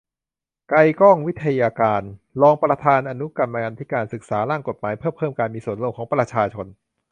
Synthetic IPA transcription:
ka˧jkɔː˥˩ŋwi˦˥t̪ʰːa˧jaː˧kaː˧nlɔː˧ŋpɾa˧t̪ʰaː˧nʔa˧nu˦˥ka˧mna˧ka˧nt̪ʰiː˦˥˩kaː˧nsɯ˨˩k̚saː˩˦ɾaː˥˩ŋko˨˩t̪̚maː˩˦jpʰɤː˥˩mpʰɤː˥˩mkaː˧nmiː˧su˨˩ənlo˧˩˨ŋkʰɔː˩˦ŋpɾa˧t͡ɕʰaː˧t͡ɕʰo˧n

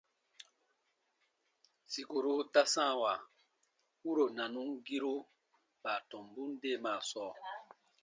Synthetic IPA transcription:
si˨ko˨ɾu˦ta˦sã˦˨wa˨ | u˦ɾo˨nã˨nũ˦ŋɡi˦ɾo˦ | b̥a˨tɔ̃˨m˨bũ˦n˦de˦˨maː˨sɔː˦˨

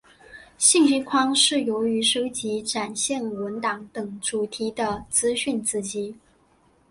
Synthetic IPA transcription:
ɕi˥˧ŋɕi˥nkʰwɑ˥ŋʂɻ̩˥˩jo˧˥ʊy˧˥ʂo˥ʊt͡ɕi˧˥ʈ͡ʂa˨˩nɕjɛ˥˩nwə˧˥nt̪ɑ˨˩ŋt̪ɤ˨˩ŋʈ͡ʂu˨˩t̪ʰi˧˥d̪ə˧t͡sɹ̩˥ɕy˥˩nt͡sɹ̩˥˩t͡ɕi˧˥

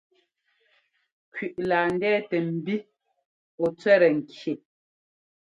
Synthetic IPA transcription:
kɥi˨ʔlaː˨n˦dɛː˦tɛ˨m̩˨bi˦ | ɔ˨t͡swɛ˦ɾɛ˨ŋ̩˨kʰje˨ʔ

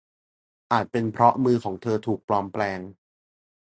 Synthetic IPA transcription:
ʔaː˨˩t̪̚pe˧npʰɾɔ˦˥mɯː˧kʰɔː˩˦ŋt̪ʰɤː˧t̪ʰuː˨˩k̚plɔː˧mplɛː˧ŋ

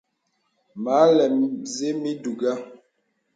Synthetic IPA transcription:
ma˨˦lɛ˨mze˦mi˦du˨ɡa˦

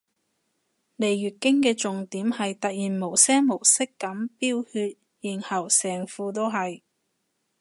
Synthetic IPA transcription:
le˨˩jɥyː˨t̚kɪ˥ŋkɛː˧t͡sʊ˨ŋt̪iː˨˥mhɐ˨jt̪ɐ˨t̚jiː˨˩nmo˨˩wsɛː˥ŋmo˨˩wsɪ˥kːɐ˨˥mpiː˥whyː˧t̚ | jiː˨˩nhɐ˨˩wsɛː˨˩ŋfuː˧t̪̬o˥wɦɐ˨j

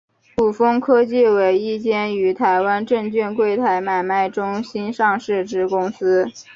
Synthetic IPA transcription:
pu˨˩fɤ˥ŋkʰɤ˥t͡ɕi˥˩we˧˥ɪi˥˩t͡ɕjɛ˥ny˧˥t̪ʰa˧˥ɪwa˥nʈ͡ʂɤ˥˧ŋt͡ɕy˥˧nkwe˥˩ɪt̪ʰa˧˥ɪma˥˩ɪma˥˩ɪʈ͡ʂʊ˥ŋɕi˥nʂɑ˥˧ŋʂɻ̩˥˧ʈ͡ʂɻ̩˥kʊ˥ŋsɹ̩˥

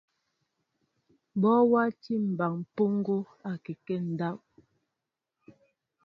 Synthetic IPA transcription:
bɔ˦wa˦ti˦˨m̩˨ba˨ŋ˨po˦ŋ˦ɡo˦ | a˨kɛ˨kɛ˦˨n̩˨da˦p̚

